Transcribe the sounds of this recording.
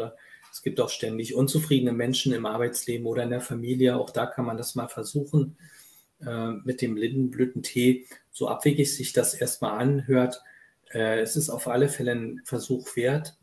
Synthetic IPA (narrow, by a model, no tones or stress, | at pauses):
ɐɛsɡ̥iːp̚taʊxʃtɛndɪçʔʊnt͡sufʁ̥iːdənəmɛnʃn̩ɪmʔaɐbaɪt͡sleːbm̩ʔoːɾɐɪndeːɐfamiːljəa̰ʊxd̥aːkʰanmandasmaːlfɛɐzuːxn̩ | ʔɛːmɪt̚d̥eːmlɪndn̩blyːtn̩tʰeːz̥oːʔa̰pv̥eːɡɪçz̥ɪçd̥asʔeːɐst̚ma̰ːlʔanɦøːɐt | ʔɛːɛsɪstaʊfʔaləfɛlənfɛɐzuːxv̥eːɐt